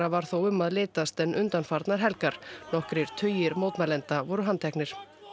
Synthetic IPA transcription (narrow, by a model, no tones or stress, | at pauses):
avaɾ̥θowʏmːaðlɪːt̪ast̪ɛnʏnt̪anfaɾt̪naɾ̥ɦɛlkaɾ̥nɔhkɾɪɾ̥t̪ʰœːɥjɪɾmowt̪malɛnt̪avɔɾʏɦant̪ʰɛknɪɾ̥